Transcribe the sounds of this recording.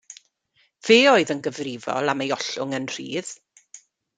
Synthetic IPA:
v̥eːoɨðənɡəvrɪvɔ̰lˠamejɔɬʊ̰ŋənr̥ḭːð̥

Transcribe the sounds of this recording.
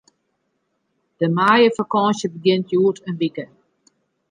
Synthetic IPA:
d̥əmaːjəfakɔːnsjəbəɡɪntjuːtʰənʋikə

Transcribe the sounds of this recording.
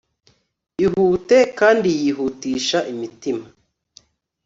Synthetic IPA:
iɦuːte̞kaːndijiɦutiːʃaʔimitima

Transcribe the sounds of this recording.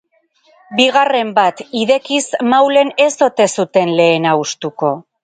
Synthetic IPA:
biɣare̞mbat̪iðe̞kismawle̞ne̞so̞t̪e̞sut̪e̞nle̞ːnaust̪uko̞

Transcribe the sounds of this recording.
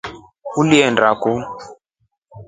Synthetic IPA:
uliɛndaku

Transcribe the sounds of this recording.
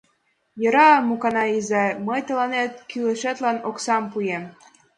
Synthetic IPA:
jɤ̆ɾɑmukɑnɑizɑməjt̪ɤ̆lɑnet̪̚kylĕʃet̪lɑnoksɑmpujem

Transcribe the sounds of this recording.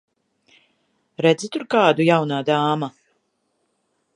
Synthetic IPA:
ɾɛd̪zit̪uɾkaːd̪ujawnaːd̪aːma

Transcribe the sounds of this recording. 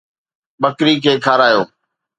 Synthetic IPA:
ɓəkɾiːkʰeːkʰaːɾaːjoː

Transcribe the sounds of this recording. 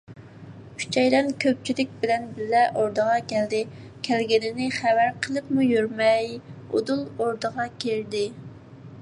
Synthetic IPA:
kʰy̥t͡ʃʰɛjlɛnkʲʰøp̚t͡ʃʰilɪk̚ʲbɪlɛnbɪlːɛʔoɾd̪əʁɑkʲʰɛld̪ɪ | kʲʰælɡʲɪnɪnɪχæwæɾqʰəlˠɨpmujøɾmɛjo̰d̪ulˠoɾd̪əʁɑkʲʰeld̪ɪ

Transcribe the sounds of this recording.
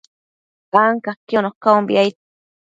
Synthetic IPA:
aŋkakonokambḭajt̪

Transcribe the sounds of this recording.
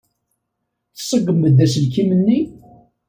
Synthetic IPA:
θə̥sˤːəɡːəmːəd̪ːæsəlkimənːi

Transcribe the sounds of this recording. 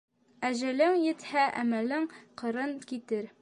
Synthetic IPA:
æʑɘ̆lɘŋjɘ̆t̪hæʔæ̰mælɘŋqɤ̆ɾɤnkit̪ɘɾ

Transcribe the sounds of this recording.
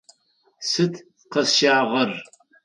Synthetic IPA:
sɨtʰ | qɐsʃaːʁɐr

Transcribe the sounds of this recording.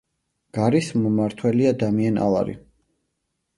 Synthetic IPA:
ɡ̥aɾismmaɾt̪ʰwɛliad̪amiana̰lˠa̰ɾḭ

